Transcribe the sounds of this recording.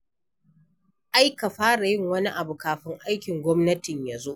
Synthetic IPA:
ʔa˦jka˨ɸaː˦ɽa˨jɪ˦˨ŋwɐ˦ni˦ʔa˨bu˨kaː˨ɸɪ˦ŋʔa˦jkʲɪ˨ŋɡʷɔ˦mnɐ˦tɪ˨ɲjaː˨zo˦ʔ

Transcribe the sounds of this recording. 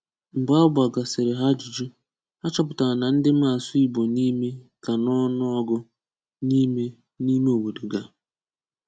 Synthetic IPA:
m̩˨ba˦ba˨ɡa˨sɪ˨ɾɪ˨ɦa˦d͡ʒi˨d͡ʒu˦ | a˦t͡ʃɔ˦p̬ʊ˨ta˨na˨n̩˦dɪ˦m̩˦a˨sʊ˦i˦bo˨ni˦me˦ka˨nɔ˦nʊ˦ɔ˦ɡʊ˦ | ni˦me˦ | ni˦me˦o˨wo˨do˨ɡa˨

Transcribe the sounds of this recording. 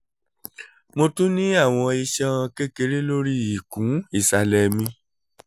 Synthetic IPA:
mo˧tũ˦nĩ˦a˦˨w̃ɔ̃˧i˧ʃã˧ke˦ke˧˦ɾe˦lo˦ɾi˦i˨kũ˨˦i˦˨sa˧lɛ˧mĩ˧

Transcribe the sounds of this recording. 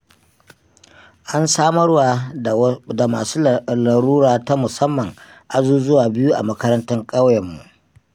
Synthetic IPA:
ʔa˦nsaː˦mɐ˦rwa˨ | da˨maː˨suː˦la˨ɾuː˦ɾaː˨ta˦mʊ˨sɐ˦mːɐ˨ŋ | ʔa˨zuː˦zʊ˦waː˨bɪ˦ju˦ʔa̰˨mɐ˦kɐ˦ɾɐ˦ntɐ˦ŋkʼɐ˦wjɛ˨mːṵ˨ʔ

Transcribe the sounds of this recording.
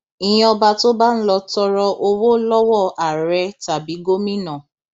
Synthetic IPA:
ĩ˨j̃ĩ˦ɔ˧ba˧to˦ba˦n̩˦lɔ˧tɔ˧ɾɔ˧ʔo˧wo˦lɔ˦wɔ˦˨a˨ɾɛ˧˦ta˨bi˨˦ɡo˦mĩ˦nã˦˨

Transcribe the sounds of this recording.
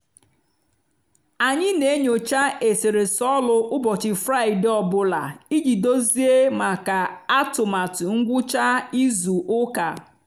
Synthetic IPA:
a˨ɲɪ˦ne˨˦ɲo˨t͡ʃa˦ʔe˨se˨ɾe˨sɔ˦lʊ˨ʔʊ˦bɔ˨t͡ʃɪ˨fɾa˦˨ɪ˨dɪ˦ɔ˨bʊ˨la̰˨i˦d͡ʒi˨do˦zi˦e˦ma˨ka˨a˦tʊ˨ma˨tŋ̩˦ɡʷʊ˦t͡ʃa˦i˦zu˨ʔʊ˦ka˨

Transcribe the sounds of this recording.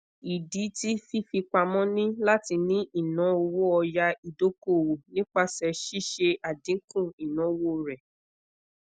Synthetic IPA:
i˨di˨˦ti˦fi˦fi˧k͡pa˧mɔ̃˦nĩ˦la˦ti˧nĩ˦ʔi˦˨nã˨˦o˧wo˦ɔ˧ja˧i˨do˨˦ko˦˨wo˨nĩ˦k͡pa˦˨sɛ˧ʃi˦ʃe˧ʔa˨dĩ˨˦kũ˦˨i˨nã˨˦wo˦ɾɛ˨

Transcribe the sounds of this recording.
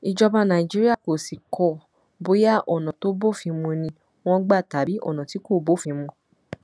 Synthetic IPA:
i˨d͡ʒɔ˧ba˧nã˨i˨d͡ʒi˦ɾi˦a˦˨ko˨si˨kʰɔ˨ | bo˨˦ja˦˨ʔɔ˨nã˨to˦bo˦˨fĩ˧mũ˧nĩ˧ | w̃ɔ̃˧ɡ͡ba˦˨ta˨bi˨˦ʔɔ̰˦˨nã˨ti˨˦ko˦˨bo˦˨fĩ˧mũ˧

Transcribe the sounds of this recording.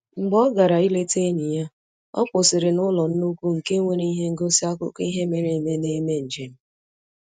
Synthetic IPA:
ŋ͡m̩˨ɡ͡bɔ˦ɡa˨ɾa˨i˦le˦te˦ni˨ja˦ | ɔ̰˦k͡pʷʊ˨sɪ˨ɾɪ˨nʊ˦lɔ˨n̩˦nu˦kʷu˦ŋ̩˨ke˦ŋʷe˨ɾe˦i˦ɦe˦ŋ̩˦ɡo˦si˦a˦kʊ̰˦ki˦ɦe˦me˨ɾe˨me˦ne˦me˦n̩˨d͡ʒe˨m̩˦

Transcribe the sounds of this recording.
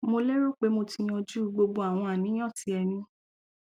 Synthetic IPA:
mo˧le˦ɾo˦˨k͡pe˨˦mo˧ti˧j̃ɔ̃˧d͡ʒu˦˨˦ɡ͡bo˧ɡ͡bo˧˦a˨w̃ɔ̃˧a˨nĩ˨˦j̃ɔ̃˦˨ti˨˧ɛ˧nĩ˧

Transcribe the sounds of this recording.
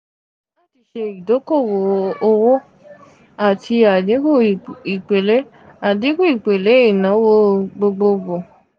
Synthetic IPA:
la˦˨ti˧ʃe˧i˨do˨˦ko˦˨wo˨o˧wo˦ | a˨tʰi˧a˨di˨˦ɡu˦˨i˨k͡pe˨le˨˦ | a˨di˨˦ɡu˦˨i˨k͡pe˨le˨˦i˦˨nã˨˦wo˦ɡ͡bo˧ɡ͡bo˧ɡ͡bo˨

